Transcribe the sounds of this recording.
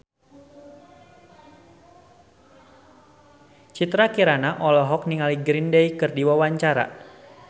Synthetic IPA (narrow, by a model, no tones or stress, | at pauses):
t͡ʃit̪ɾakiɾanaʔɔlɔɦɔkniŋaliɡɾindejkɨrdiwawaɲt͡ʃaɾa̰